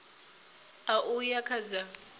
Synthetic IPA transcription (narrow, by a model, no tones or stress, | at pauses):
aʔujakʰad͡za